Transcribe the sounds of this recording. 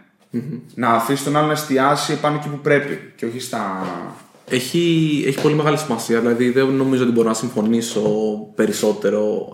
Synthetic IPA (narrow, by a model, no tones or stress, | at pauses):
m̩nɐːfisit̪o̞nɐlo̞nɐest̪iɐsiepɐnoecipupɾe̞pḭceoçist̪ɐ | e̞çieçi̥po̞lime̞ɣɐlisimɐsiɐðilɐðiðeno̞mizoot̪ibo̞ɾonɐsiɱfo̞niso̞pe̞ɾiso̞t̪e̞ɾo̞